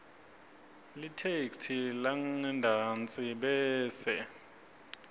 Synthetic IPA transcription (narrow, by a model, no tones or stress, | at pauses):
litʰekstʰilaŋɛndʱant͡sʼiɓɛːsɛ